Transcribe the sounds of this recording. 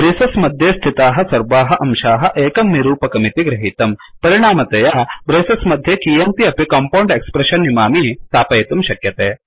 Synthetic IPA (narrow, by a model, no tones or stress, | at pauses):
bɾeːsɐsmɐd̪ʱjeːst̪ʰit̪aːɦɐ̆sɐɾbaːɦɐʔɐmʃaːɦɐ̆ʔeːkɐmːiɾuːpɐkɐmit̪iɡɾɐɦiːt̪ɐmpɐɾiɽaːmɐt̪ɐjaːbɾeːsɐsmɐd̪ʱjeːkiːjɐnt̪iɐpikaːmpɐwɳɖekspɾɐʃɐnːimaːmist̪ʰaːpɐjt̪umʃɐkjɐt̪eː